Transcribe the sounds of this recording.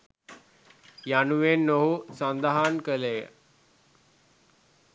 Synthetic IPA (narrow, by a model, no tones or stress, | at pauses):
januʋenːoɦusãnd̪aɦankəlej